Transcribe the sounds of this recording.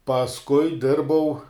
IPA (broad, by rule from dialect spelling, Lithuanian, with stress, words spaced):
pɐsˈkʊɪ ˈdʲɪrbɐʊ